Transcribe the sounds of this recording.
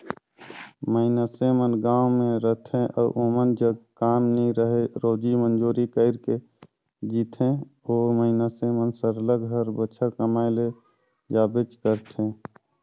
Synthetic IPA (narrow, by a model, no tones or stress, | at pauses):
məɪnəsemənɡãːwmẽɾət̪ʰẽʔɔ̰ːʔomənd͡ʒəɡkaːmniɾəɦeɾoːd͡ʒimənd͡ʒuɾikəɪɾke | d͡ʒit̪ʰẽ | oːɾməɪnəsemənsəɾələɡɦəɾbət͡ʃʰəɾkəmajle | d͡ʒaːbet͡ʃkəɾt̪ʰẽ